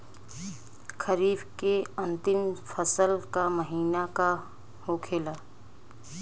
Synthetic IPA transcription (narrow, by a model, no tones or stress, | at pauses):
kʰəɾiːbkeɐ̃nt̪ɪmfʰəsəlkaməɦiːnaka | hoːkʰeːlaː